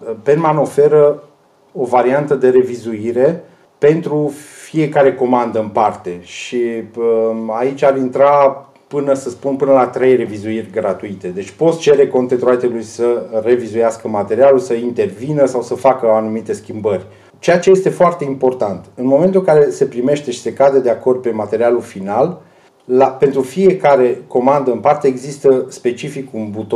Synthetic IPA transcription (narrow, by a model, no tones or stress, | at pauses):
penmano̞fe̞ɾə | ovaɾiant̪əd̪e̞ɾe̞vizuiɾe̞ | pe̞nt̪ɾufie̞kaɾe̞ko̞mand̪əɨnpart̪e̞ʃi | ait͡ʃʲaɾint̪ɾa | pɨnəsəspunpɨnəlat̪ɾe̞jre̞vizuirʲɡɾat̪uit̪e̞d̪e̞t͡ʃʲpo̞t̪sʲt͡ʃe̞ɾe̞ko̞nt̪et̪ɾoat̪elujsəre̞vizujaskəmat̪e̞ɾialulsəint̪e̞rvinəsawsəfakəanumit̪e̞skʲimbərʲ | t͡ʃe̞jat͡ʃe̞je̞st̪e̞foart̪e̞impo̞rt̪ant̪ɨnmo̞me̞nt̪ulŋkaɾe̞se̞pɾime̞ʃt̪e̞ʃi̥se̞kad̪əd̪e̞ako̞rd̪̚pe̞mat̪e̞ɾialulfinalː | ape̞nt̪ɾufije̞kaɾe̞ko̞mand̪əɨnpart̪e̞ːɡzist̪əspe̞t͡ʃifikunbut̪